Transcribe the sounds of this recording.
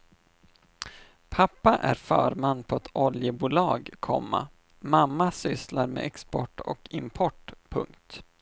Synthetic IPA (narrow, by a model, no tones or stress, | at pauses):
pʰapːaʔæɾfœːɾmanːpʰɔɛt̪ʰɔljəbuːlɑːɡkʰɔ̰mːa̰ | mamːasʏslaɾmḛːɛkspɔʈːɔ̰kɪmpʰɔʈpʰɵ̰ŋkt̪